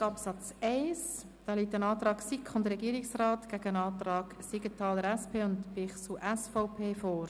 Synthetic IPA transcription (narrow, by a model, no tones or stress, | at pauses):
ɑpsɑt͡sɛɪs | d̥ɑːliːtənɑːt̪ɾɑːksikχʊndɾɛɡiːɾɪksrɑːtɡ̥æɡəənɑːt̪ɾɑːɡ̥siɡətʰɑːləɾɛspʰeːʊndʋɛχsuʔɛsfɔʊpʰeːfoːɾ